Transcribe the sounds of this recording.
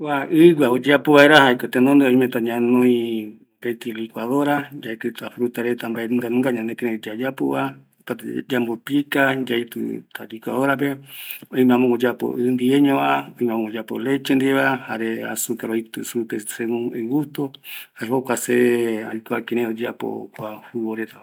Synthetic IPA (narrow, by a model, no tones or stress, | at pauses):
waɨɡʷaod͡ʒapoβaeɾahajkot̪enõnd̪eoj̃mẽt̪aɲãnõĩ | bet̪ilikʷaðoɾad͡ʒaet̪ɨt̪afɾut̪aɾet̪ambaenɡanɨ̃ŋɡaɲãnd̪ekeɾẽd͡ʒad͡ʒapo̰βa | pat̪d͡ʒambopikad͡ʒajt̪ɨ̰t̪alikʷa̰ðoɾap̬eoĩmeãmõŋod͡ʒapo̰ʔɨnd̪ieɲõβaõĩmẽamõod͡ʒapo̰let͡ʃend̪iβahaɾea̰sukaɾoit̪ɨsupesemũeɡut̪ohaeɦokʷaseeajkoakeɾẽod͡ʒapo̰kʷahuβoɾet̪aa